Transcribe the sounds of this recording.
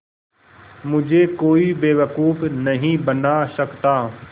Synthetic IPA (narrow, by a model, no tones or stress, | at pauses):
mʊd͡ʒʱekoːibeːʋəkuːfnɐɦĩbɐnaʃɐkt̪a